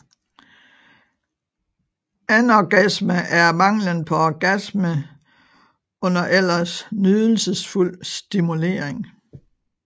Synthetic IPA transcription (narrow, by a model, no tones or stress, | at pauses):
ænɒɡ̥æsməʔæɐmɑ̈ŋ̰lənpʰɒ̽ɒɡ̥æsmə | ɔ̽n̰ɐʔel̰ɐsnyðˠl̩səsful̰sd̥imule̝̰ːɐeŋ